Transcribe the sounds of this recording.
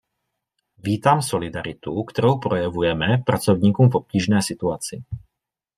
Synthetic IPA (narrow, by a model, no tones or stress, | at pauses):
ʋiːt̪amsɔlid̪aɾit̪ukt̪ɔɾɔʊpɾɔjaʋujɛmɛpɾat͡sɔʊɲiːkɔmvɔp̚ciːʒnɛjsit̪uaːt͡siː